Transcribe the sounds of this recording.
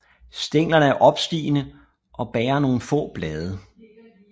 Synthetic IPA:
sd̥eŋ̰lɐnəæɐʔɒ̽b̥sd̥ḭːnə | ʔɒ̽b̥ɛːɐno̝ːn̩fɔ̰ːb̥lɛːðˠə

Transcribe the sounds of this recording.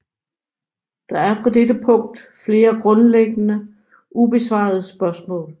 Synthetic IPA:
d̥ɑ̈æɐfʁɑd̥edəpʰɔ̽ŋ̰d̥fle̝ːɐɡ̥ʁɔ̽nleɡ̥ənə | ʔub̥e̝sʋɑ̰̈ð̞̩ˠəsb̥ɶɐsmɔ̰̽ːl

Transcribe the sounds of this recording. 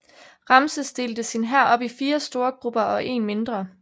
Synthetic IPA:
ʁɑ̈msəsd̥e̝ːld̥əsinɦæɐ̰ɒ̽b̥ifiːɐsd̥o̝ːɐɡ̥ʁub̥ɐɒ̽ʔe̝̰ːnme̝nd̥ʁɐ

